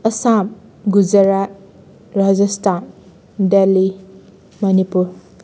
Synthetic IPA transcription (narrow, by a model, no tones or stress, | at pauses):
ɐsamɡud͡ʒɐɾa | ɾad͡ʒɐstʰan | delːi | mɐnipuɾ